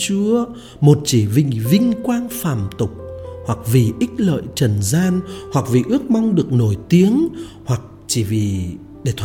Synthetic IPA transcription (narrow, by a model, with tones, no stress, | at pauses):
t͡ɕu˨˧˦ə | mo˨˩t̚t͡ɕi˧˩vḭ̈˧˨ŋ̟vï˧ŋ̟kwaː˧nfaː˧˩mt̪ʊ˨˩k͡p̚hwa˨˩k̚vi˨˩ʔï˦˥k̟̚lə̰ː˧˨jt͡ɕə˨˧˩nzaː˧nhwa˨˩k̚vḭ˨˩ʔɨ˦˥ək̚ma˧wŋ͡mɗɨ˨˩ək̚no˧˩jt̪i˨˦əŋ | hwa˨˩k̚t͡ɕi˧˩vi˨˩ | ɗe˧˩t̪ʰː